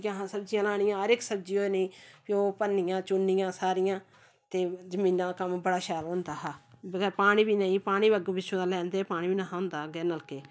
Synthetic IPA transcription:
kaɦãːsəb̚d͡ʒijãːlaːɽ̃ɪjãːɦəɾɪksəb̚d͡ʒiːoːenəĩːpioːpənːijãːt͡ʃʊnɪjãːsaːɾɪjãː | t̪eːd͡ʒəmĩːnãːkəmbəɽaːʃaːlɦʊ̃nd̪aːɦaːbəɡəɾpaːɽ̃iːbiːnəĩːpaːɽ̃iːbəɡbɪt͡ʃʰːõãːlɛ̃ːnd̪eːpaːɽ̃iːbiːnaːɦãɦʊ̃ːnd̪aːɡɛːnəlkeː

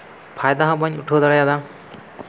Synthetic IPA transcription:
pʰajd̪aɦãbaɲuʈʰod̪aɽajad̪a

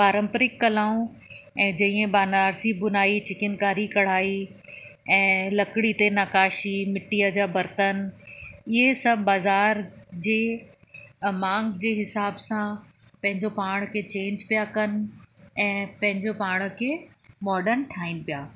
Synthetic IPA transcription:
paːɾə̃mpɾɪkːɐlaːũ | ɛ̃ːd͡ʑɐĩẽbaːnaːɾsibʊnaːit͡ɕɪkɪnkaːɾikɐɽ̤aːi | ɛ̃ːlɐkɽit̪enakaːʃimɪʈijad͡ʑaːbɐɾt̪ən | ɪɦesɐbbaːzaːɾd͡ʑeː | mãːŋɡd͡ʑeːɦɪsaːbsãpɐ̃ɦɪ̃ɲd͡ʑopaːɽ̃kʰet͡ɕẽːɲd͡ʑpijakɐn̆ɛ̃ːpɐ̃ɦɪ̃ɲd͡ʑopaːɽ̃kʰeːmɔːɖəɾnʈʰaːinɪ̆pijaː

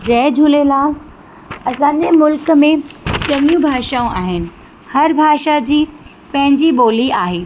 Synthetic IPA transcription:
d͡ʑɛːd͡ʑʱuːlelaː | ɐsãːnʄemʊlkəmẽt͡ɕɐŋjũbʱaːʃaũʔaːɦɪnɪ̆ | hɐɾbʱaːʃad͡ʑiː | pɐ̃ɦɪ̃ɲd͡ʑiɓoːliaːɦeː

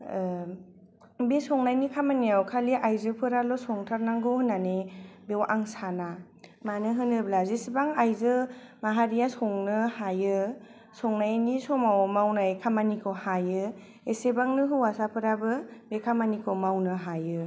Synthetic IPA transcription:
besɔŋnajnikʰamanijawkʰaliʔajzɯpʰɯɾalɔsɔŋtʰaɾnaŋɡɯhɯnːanebewʔaŋsana | manɯɦɯnɯblazisibaŋajzɯmaɦaɾijasɔŋnɯhajɯ | sɔŋnajnisɔmawɔmawnajkʰamanikʰɯwhajɯ | esebaŋnɯɦɯwasapʰɯɾabɯbekʰamanikʰɯmawnɯɦajɯ

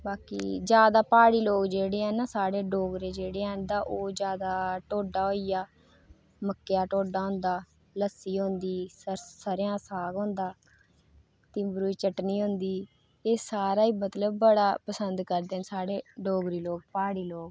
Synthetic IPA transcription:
baːkḭːd͡ʒjaːd̪aːpaːɽiːloːkd͡ʒeːɽeːɛ̃ːnãːsaːɽeːɖoːɡɾeːd͡ʒeːɽeːɛ̃ːnd̪ãːʔoːd͡ʒjaːd̪aːʈoːɖaːɦoːiːjaː | məkːejaːʈoːɖaːɦʊ̃ːnd̪aː | ləsːiːɦõːnd̪iːssəɾjãːsaːɡõːnd̪aː | t̪ɪ̃ːbɾuːiːt͡ʃəʈniːɦõnd̪iː | eːsaːɾaːiːmət̪ləb̚ːəɽaːpəsənd̪kəɾd̪eːnsaːɽeːɖoːɡɾiːloːɡ̚paːɽiːloːɡ

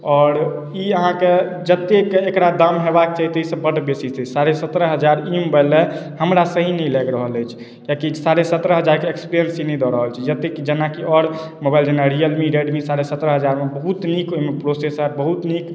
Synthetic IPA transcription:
ɔːɾ | iəɦãked͡ʒət̪ekeːkɾad̪amɦebak̚t͡ʃaɦit̪ɔisəbbəɖbesisɛsaɾesət̪ɾəɦəd͡ʒaɾimbalehəmɾasəɦinɛjlɛɡɾəɦələjt͡ʃʰ | kakisaɾesət̪ɾəɦəd͡ʒaɾkeekspɾijənsinid̪ɔɾəɦəlt͡ʃʰɛd͡ʒət̪ːekd͡ʒənakiɔɾ | mobajld͡ʒənaɾiəlmiɾeɖmisaɾesət̪ɾəɦəd͡ʒaɾmebəɦut̪nikomepɾosesəɾbəɦut̪nik

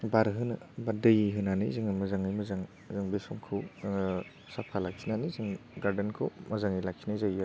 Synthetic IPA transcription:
baɾɦɯnɯbadɯjiɦɯnanḭzɯŋɯmɐzaŋajmɐzaŋ | zɯŋbesɔŋkʰɯwŋ | sapʰalak̚kʰinanizɯŋɡaɾdenkʰo̰mazaŋijlakʰinajzaja

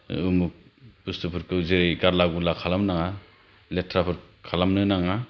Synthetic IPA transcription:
ɯmuk̚pustɯpʰɯɾkʰɯzeɾejɡaɾlaɡulakʰalamnaŋa | letʰɾapʰɯɾkʰalamnɯnaŋa

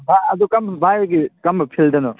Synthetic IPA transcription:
bʱaɐd̪ukɐmbbʱajɡikɐmbɐpʰildɐnɔ

